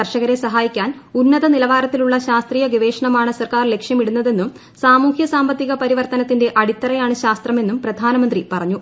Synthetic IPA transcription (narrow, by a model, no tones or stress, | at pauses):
ɐrʂɐɣɐɾesɐɦaːjikʲːaːnunːɐðɐnilɐʋaːɾɐt̪ːiluɭːɐɕaːst̪riːjɐɡiʋe̞ːʂɐɳɐmaːɳɨsɐrkaːrle̞kʂjɐmiɽunːɐðe̞nːum | saːmuːhjɐsaːmbɐt̪ːiɣɐpɐɾiʋɐrt̪ɐnɐt̪ːinde̞ʔɐɽit̪ːɐrɐjaːɳɨɕaːst̪rɐme̞nːumprɐd̪ʱaːnɐmɐnd̪ripɐrɐɲːu